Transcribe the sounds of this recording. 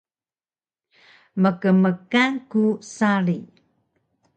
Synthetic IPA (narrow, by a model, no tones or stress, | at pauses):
məkəməkankusaɾi